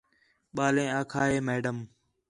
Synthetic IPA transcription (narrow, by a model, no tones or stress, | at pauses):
ɓaːlẽːãːkʰaːɦeːmeːɖəm